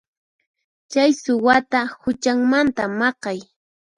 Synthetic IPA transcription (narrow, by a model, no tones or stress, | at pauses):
t͡ʃajsʊwat̪ahʊt͡ʃaŋmant̪amɑqɑj